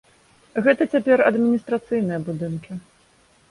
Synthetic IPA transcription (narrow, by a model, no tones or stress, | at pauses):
ɣɛt̪ɐt͡sʲapʲɛrɐd̪mʲinʲist̪ɾat̪sɨjnɨjɐbud̪ɨnkʲi